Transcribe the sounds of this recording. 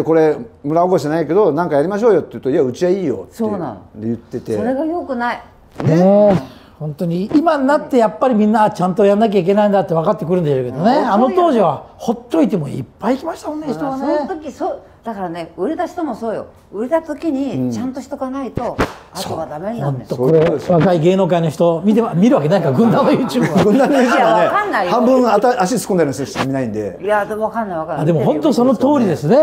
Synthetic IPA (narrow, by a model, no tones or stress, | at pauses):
eko̞ɾe̞mɯ̟ɾaokoɕi̥enaike̞d̪o̞nãŋkajaɾʲimaɕ̬o̞ːjo̞t̪ːeɯt̪oiaɯ̟t͡ɕiaiːjo̰soeːnã̰n̰d̪ejɯt̪ːe̞t̪eoɾe̞ɡajo̞kɯ̟nai | õ | hõ̞nt̪o̞ɲ̟iimanat̪ːe̞japːaɾʲimʲĩnːat͡ɕãnt̪o̞janːak̬ʲaik̬ʲe̞naĩnd̪at̪ːeβakat̪ːe̞kɯɾɯ̟̃nd̪eɕoːke̞d̪o̞ne̞ano̞t̪o̞ːʑiβaho̞t̪ːo̞it̪e̞mo̞ḭpːaiːkʲimaɕi̥t̪amonːeonet̪okʲisoː | d̪̥akaɾane̞ɯ̟ɾe̞t̪aɕi̥t̪omo̞so̞ːjo̰ | ɯ̟ɾet̪at̪o̞kʲiɲ̟it͡ɕãnt̪oçi̥t̪o̞ɡanait̪o̞astooːβad̪amehõnt̪okoβakaiɡe̞ːno̞ːkaino̞çi̥t̪omʲit̪̬eamʲiɾɯβakenaikaɡɯ̟̃nd̪ãnojɯːt͡ɕɨːbɡɯ̃nd̪and̪esneanːaihãmbɯ̃ŋ̃aaaɕisɨ̥kõnd̪eɾnɕt̪ɕt̪emʲinaĩnd̪e̞jad̪oβakãnːaiβakamad̪e̞mo̞ɦõ̞nt̪o̞so̞no̞t̪o̞ːɾʲid̪e̞sɨne̞